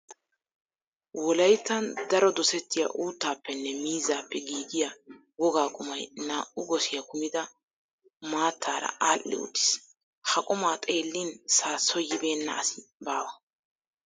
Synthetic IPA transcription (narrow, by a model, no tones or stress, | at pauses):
wɔlɐjt̪ːɐnd̪ɐɾɔd̪ɔsɛt̪ːɪja̰ʔuːt̪ːaːpːɛnːɛmiːzaːpːɛɡiːd̪ɪja | wɔɡaːkʼʊmɐjnaːʔʊɡɔsɪjɐkʊmɪd̪ɐ | maːt̪ʰːaːɾɐ̰aːlʔːɪ̰ʊ̰t̪ːɪ̥s | hɐkʼʊmaːt̪ʼe̞ːlːinsaːsɔjɪbe̞ːnːɐ̰ɐsbaːwɐ